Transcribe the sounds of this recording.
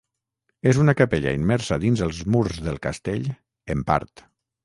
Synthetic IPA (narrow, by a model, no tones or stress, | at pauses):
ezunakapeʎa̰immɛɾsaðinzəlˠzmuɾzðəlˠkast̪eʎ | əmpa̰ɾt̪